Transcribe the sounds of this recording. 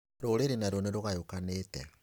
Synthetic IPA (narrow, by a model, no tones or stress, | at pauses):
ɾoɾeɾenaɾoneɾoɣajokanetɛ